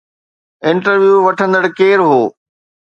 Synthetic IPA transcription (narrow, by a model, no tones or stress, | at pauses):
ɪ̃ɳʈəɾʋjuːʋɐʈʰə̃nd̪əɽɪkeːɾɦoː